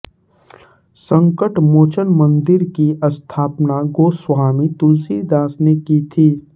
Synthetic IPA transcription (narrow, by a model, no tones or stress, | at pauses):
sə̃ŋkəʈmoːt͡ʃənmə̃nd̪ɪɾkiɐst̪ʰaːpnaɡoːswaːmit̪uzid̪ãːsnekit̪ʰiː